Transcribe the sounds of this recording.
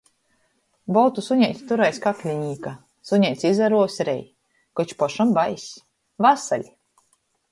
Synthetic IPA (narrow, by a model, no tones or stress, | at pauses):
bɔlt̪usuɲʲɛjt̪ʲi̥t̪uɾajskaklʲiɲiːka | suɲʲɛjt̪sʲizaɾuɔsʲɾɛ̰j | kɔt͡ʃpɔʃambajsʲ | vasalʲi